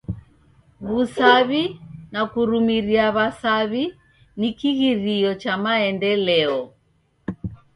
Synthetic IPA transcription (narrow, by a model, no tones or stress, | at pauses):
βusaβinakuɾumiɾiaβasaβi | nikiɣiɾiɔt͡ʃamaɛndɛlɛɔ